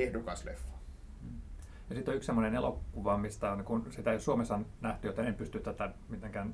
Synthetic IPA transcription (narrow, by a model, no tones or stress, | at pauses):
ehdukɑslḛfːo̥ː | jɑsit̪ːˑolyksemːonenelokːuʋɑmist̪æonkunsit̪æjossuomesɑnnæht̪yjot̪ɑnempyst̪yt̪t̪æt̪æmit̪eŋkæn